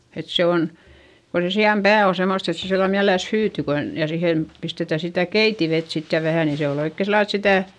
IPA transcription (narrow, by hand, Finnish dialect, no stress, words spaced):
et se on ko se siɑm pæː o semost et se silːɑl miælelæs hyːty kon jɑ sihen pistetæ sitæˑ keitiʋet sit jɑ ʋæhæˑ ni se ol oikːe silːɑl et sitæˑ